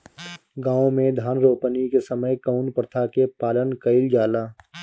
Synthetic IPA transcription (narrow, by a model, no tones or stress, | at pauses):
ɡãːõmẽd̪ʱaːnɾoːpənikesəməjkəʊnpɾət̪ʰakepaːlənkəɪld͡ʒaːlaː